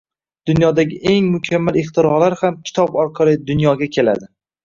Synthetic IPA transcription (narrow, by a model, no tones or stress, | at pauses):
d̪̥ʊnjɒd̪aɡʲɪʔe̞ŋmʊkʲʰamːalɪχt̪ʰɪɾɒlaɾhamkʲʰɪ̥t̪ʰɒbɒɾqʰɑlˠɪd̪ʊnjɒɡʲakʲʰe̞la̰d̪ɪ